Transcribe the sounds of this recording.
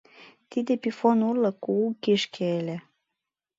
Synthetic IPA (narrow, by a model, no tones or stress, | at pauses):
t̪id̪epifonurlɤkuukiʃkʰeelʲe